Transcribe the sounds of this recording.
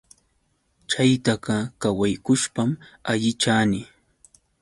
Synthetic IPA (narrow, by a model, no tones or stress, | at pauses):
t͡ʃajt̪aɢɑkawajkʊʃpamaʎɪt͡ʃaːnɪ